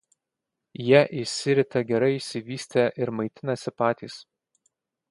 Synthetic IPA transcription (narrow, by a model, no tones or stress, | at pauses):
jiɛʔɪsʲɪɾʲɪt̪ɐɡʲɛɾɐɪɪʃʲsʲɪʋʲiːsʲt̪ʲeːʔɪɾmɐɪt̪ʲɪnɐsʲɪpɑːt̪ʲiːs